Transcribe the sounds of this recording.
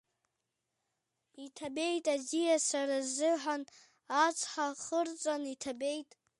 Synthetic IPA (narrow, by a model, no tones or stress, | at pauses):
itʰabe̞jtʼadijasarazɨħan | at͡sʷʰʼħaχərt͡sʷʼanitʰabe̞jtʼ